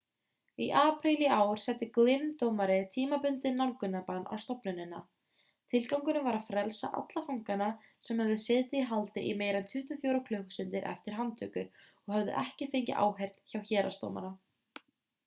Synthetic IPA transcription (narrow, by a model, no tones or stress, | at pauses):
iʔaːpʰɾiliaːwɾ̥sɛt̪ːɪklɪnt̪owmaɾɪt̪ʰiːmapʏnt̪ɪnːawlkʏnːapanʔa̰wst̪ɔpnʏnɪnːa̰ | t̪ʰɪlkawŋkʏnʏmvaɾaðfɾɛlsa̰ʔa̰t̪lafawŋkana | sɛmhɛvðʏsɛːt̪ɪiɦalt̪ɪʔimeːjɾɛnt̪ʰʏht̪ʏfjoːwɾakʰlœhkʏ̥sʏnt̪ɪɾʔɛ̰ft̪ɪɾ̥ɦant̪ʰʏkʏ | ɔɣhœvðɪ̰ʔɛhcɪfɪɲcɪ̰ʔa̰ːwɦejr̥t̪çawçɛːɾast̪o̰wma̰ɾa